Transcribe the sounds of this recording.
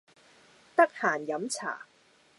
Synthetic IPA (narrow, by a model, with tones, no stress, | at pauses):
t̪ɐ˥k̚haː˨˩njɐ˨˥mt͡sʰa̰ː˨˩